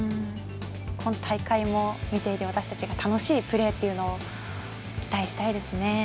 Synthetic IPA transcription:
ɯ̃ | kʰo̞not̪ʰaikaimo̞mʲit̪e̞it̪e̞βat̪aɕi̥t̪ḁt͡ɕiɡat̪ano̞ɕiːpɯ̟ɾe̞ːt̪ːe̞iɯ̟noː | kʲi̥t̪aiɕi̥t̪aid̪e̞sɨne̞

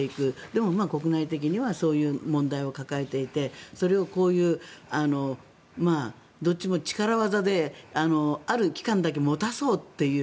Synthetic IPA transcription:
eikɯ̟d̪e̞mo̞maːko̞kɯnait̪e̞k̬ʲiɲ̟iβaso̞ːjɯ̟ːmõ̞nd̪aio̞kakae̞t̪e̞it̪e̞so̞ɾe̞o̞ko̞ːjɯ̟ːano̞ | maː | d̪o̞t̚ʲːt͡ɕimo̞t͡ɕi̥kaɾaβazad̪e̞ano̞aɾɯ̟kʲi̥kãnd̪ak̬e̞mo̞t̪aso̞ːt̪ːe̞jɯ̟ː

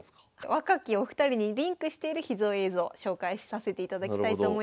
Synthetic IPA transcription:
βakakʲioɸɯ̟̥t̪aɾʲiɲ̟iɾʲĩŋkɯ̟ɕi̥t̪e̞iɾɯ̟çizoːe̞ːzo̞ːɕo̞ːkaiɕi̥sase̞t̪e̞it̪ad̪akʲi̥t̪ait̪o̞ːmo̞i

